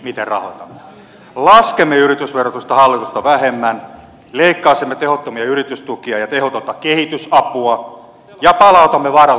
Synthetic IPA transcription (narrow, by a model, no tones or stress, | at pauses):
mit̪errɑ̰hoit̪ɑmːe | lɑskemːeyrit̪ysʋerot̪ust̪ɑhɑlːit̪ust̪ɑʋæɦemːæn | leikːɑːsemːet̪ehot̪ːomiɑyrit̪yst̪ukiɑjɑt̪ehot̪ot̪ːɑkehit̪ysɑpuɑ | jɑpɑlɑut̪ɑmːeʋɑrɑ